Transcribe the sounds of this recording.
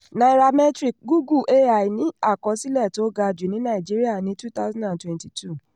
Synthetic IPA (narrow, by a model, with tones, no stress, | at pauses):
na˧i˧ɾa˧mɛ˦tɾi˦˨k̚ɡu˦ɡu˦˨ʔe˦a˨i˨nĩ˨˦a˦˨kɔ˧si˦lɛ˦˨to˨˦ɡa˧d͡ʒi˨nĩ˦nã˦˨i˨d͡ʒi˦ɾi˦a˦˨nĩ˨˦tu˦t̪a˦zã˦da˨ntwɛ̃˨nti˨tʰu˦˨